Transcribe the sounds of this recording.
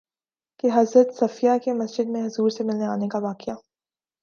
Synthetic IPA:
keɦɐzɾət̪sɐfijakemɐsd͡ʒɪd̪̚mẽɦʊzuːɾsemɪlneaːnekaʋaːqeja

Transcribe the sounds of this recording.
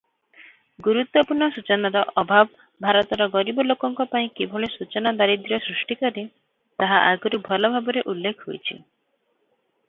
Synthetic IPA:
ɡuɾut̪wɔpuɾɳɔsut͡ʃɔnaɾɔʔɔbʱabɔ | bʱaɾɔt̪ɔɾɔɡɔɾibɔlokɔŋkɔpaĩkibʱɔɭesut͡ʃɔnad̪aɾid̪ɾɔsɾusʈikɔɾi | t̪aɦaʔaɡɔɾubʱɔlɔbʱabɔɾeʔulːekʰɦojt͡ʃʰḭ

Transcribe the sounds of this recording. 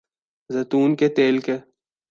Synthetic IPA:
zɐt̪uːnket̪eːlke

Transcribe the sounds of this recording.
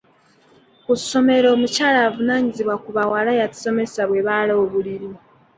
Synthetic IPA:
ku̥so̞me̞ɾo̞ːmucaːlaːvunaːɲiziβwakuβawalajati̥so̞me̞saβwe̞βaloːβuliɾi

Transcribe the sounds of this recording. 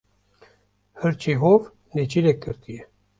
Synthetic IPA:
hɨɾt͡ʃʰiɦov | net͡ʃʰiɾekːɨɾt̪ʰijɛ

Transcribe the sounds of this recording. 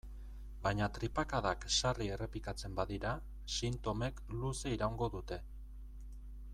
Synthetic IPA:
bajɲat̪ɾipakaðakʃarie̞re̞pikat͡se̞mbaðiɾa | sint̪o̞me̞kluse̞iɾawŋɡo̞ðut̪e̞

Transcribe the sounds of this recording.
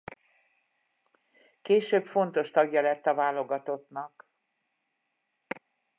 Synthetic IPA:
keːʃøːpfo̞nt̪o̞ʃt̪ɒɡjɒlɛt̪ːɒvaːloɡɒt̪o̞t̪nɒk

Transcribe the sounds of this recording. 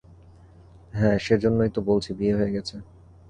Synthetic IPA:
ɦɛ̃ːʃeɾd͡ʑonːojt̪obolt͡ɕʰibieɦoeɡɛt͡ɕʰe

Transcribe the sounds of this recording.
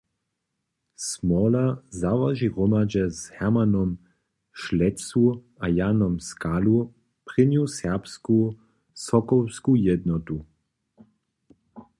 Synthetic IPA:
smɔlazaʋaʒiʁɔmad͡ʒɛzhɛʁmanɔm | ʃlɛsu | ajanɔmskalu | pʁɪnjusɛʁpsku | sɔkɔwskujɛd̪nɔt̪u

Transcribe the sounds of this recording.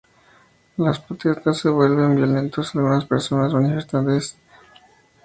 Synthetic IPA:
laspɾot̪est̪asːe̞βwe̞lβe̞mbjo̞lẽ̞nt̪o̞salɣunaspe̞ɾso̞nasmanife̞st̪ant̪es

